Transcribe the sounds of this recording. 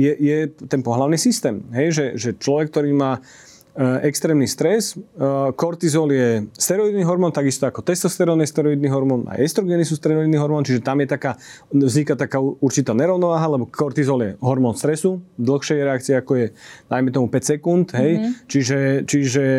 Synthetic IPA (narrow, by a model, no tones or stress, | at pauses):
jɛjɛt̪ɛnpɔɦlaʊniːsist̪ɛːmɦɛjʒɛʒɛt͡ʃlɔʋɛk̚ːt̪ɔɾiːmaː | ʔɛkst̪ɾɛːmnist̪ɾɛskɔɾt̪izɔljɛst̪ɛɾɔid̪niɦɔɾmɔːnt̪aɡist̪ɔakɔt̪ɛst̪ɔst̪ɛɾɔnɛst̪ɛɾɔid̪niɦɔɾmɔna̰jɛst̪ɾɔɡɛnisuːst̪ɾɛɔid̪niɦɔɾmɔːnt͡ʃiʒɛt̪amjɛt̪akaː | vzɲikat̪akaːuuɾt͡ʃit̪aːɲɛɾɔʊnɔʋaːɦalɛbɔkɔɾt̪izɔljɛɦɔɾmɔnst̪ɾɛsud̪l̩xʃɛjɾɛakt͡siɛakɔjɛd̪̥ajmɛt̪ɔmupɛcsɛkunt̪ɦɛjt͡ʃiʒɛt͡ʃiʒɛ